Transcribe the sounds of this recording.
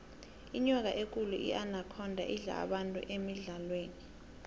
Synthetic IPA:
iɲɔk̬aʔek̬ʼuluʔḭʔanakʰɔndʱa̰ʔiɮa̰ːɓantʼṵʔemiɮalweːni

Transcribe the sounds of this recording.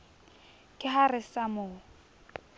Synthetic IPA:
kʼɪɦarɪsamʊː

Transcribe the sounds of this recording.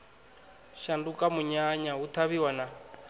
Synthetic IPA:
ʃandukʼamuɲaɲaut̪ʰaβiwana

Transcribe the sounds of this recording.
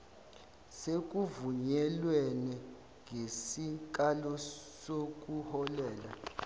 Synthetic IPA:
sek̬uvuɲɛlwɛnɛ | ŋʱesik̬alɔsok̬uhɔlɛːla̰

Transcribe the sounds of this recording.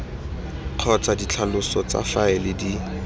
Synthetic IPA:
q͡χʰɔt͡sʰadit͡ɬʰalʊsɔt͡sa̰faɪlɪdi

